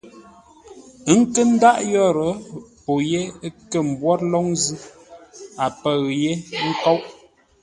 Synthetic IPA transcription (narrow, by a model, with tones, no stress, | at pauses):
ə˦ŋ̩˦kə˦n̩˦da˦ʔjɔ˦˨ɾə˨˦po˨je˦kə˨m̩˨bwɔ˦tlɔ˦ŋzɨ˦ | a˨pə˨ɣje˦ŋ̩˦kɔ˦wʔ